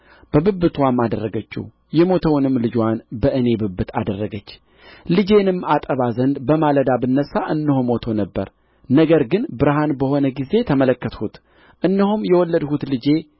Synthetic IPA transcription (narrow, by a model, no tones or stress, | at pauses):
b̥əbɨbːɨt̪ʰwamːad̪ərːəɡət͡ʃːṵ | jɛmo̞t̪ʰəwnɨmːlɨd͡ʒwanbəʔɨne̞bɨbɨt̪ʰa̰d̪ərːəɡət͡ʃː | lɨd͡ʒe̞nɨmːat̪ʼəβazənd̪bəmaləd̪abɨnːəsːaʔɨnːɨhumo̞t̪ʰənəbːə̰ɾ | nəɡəɾɡɨnbɨɾɦanbəho̞nəɡize̞t̪ʰəmələkːət̪hut̪ | ʔɨnːɨhumjɛwɔlːəd̪hut̪lɨd͡ʒe̞